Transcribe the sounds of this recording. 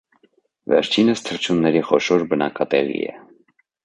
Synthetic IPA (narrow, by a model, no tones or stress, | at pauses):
vɛ̰ɾt͡ʃʰinəst̪ʰəɾt͡ʃʰunːɛɾiχɔʃɔɾbənɑkɑt̪ɛʁḭɛ̰